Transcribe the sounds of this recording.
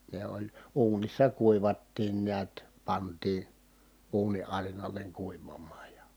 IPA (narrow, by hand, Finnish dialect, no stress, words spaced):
ne olʲ uːnisːɑ kuiʋɑtːiːn niæt pɑntˑiː uːni ʔɑrinɑleŋ kuiʋɑmɑːj jɑ